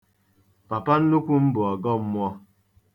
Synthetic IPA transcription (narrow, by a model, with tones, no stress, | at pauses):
pa˨pa˦n̩˦nu˦kʷu˦m̩˦bʊ˨ɔ˨ɡɔ˦m̩˦mʷ˦ɔ˦